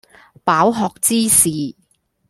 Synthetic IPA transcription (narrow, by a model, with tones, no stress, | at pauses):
paː˨˥wɦɔː˨k̚t͡siː˥siː˨˩